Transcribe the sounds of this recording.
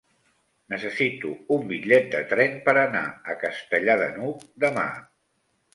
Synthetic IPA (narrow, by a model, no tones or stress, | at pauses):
nəsəsit̪uumbiʎɛt̪̚d̪ət̪ɾɛnpəɾəna̰əkəst̪əʎaðə̰nukd̪əma̰